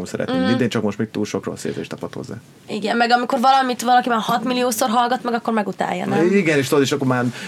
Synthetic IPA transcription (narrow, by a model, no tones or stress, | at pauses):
omsɛɾɛ̰t̪eŋmind̪eːnt͡ʃɒkmo̞ʃt̪meːkt̪uːlʃokro̰sḛːzḛːʃt̪ɒpɒt̪hozːa̰ː | iɡɛnmɛɡɒmiko̞rvɒlɒmit̪ʋɒlɒkibɛnhɒt̪milijoːso̞rɦɒlɡɒt̪mɛɡɒkːo̞rmɛɡut̪a̰ːjːɒ̰niɡɛneːʃt̪od̪iʃɒkːomaːn